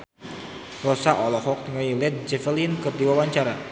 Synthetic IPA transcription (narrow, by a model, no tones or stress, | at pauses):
rɔsaʔɔlɔhɔk̚t̪əŋailɛt̪̚d͡ʒɛfəlinkɨrdiwawaɲt͡ʃaɾa